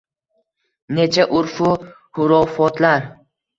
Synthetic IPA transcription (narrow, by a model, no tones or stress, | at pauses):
ne̞t͡ʃʰaʔʊɾfʊ | hʊɾɒfɒt̪laɾ